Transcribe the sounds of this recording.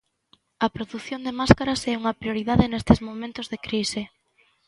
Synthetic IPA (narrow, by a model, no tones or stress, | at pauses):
ɐpɾoðuθjond̪emaskaɾɐsɛuŋɐpɾjoɾiðaðenest̪ɪzmomẽnt̪ozðekɾisɪ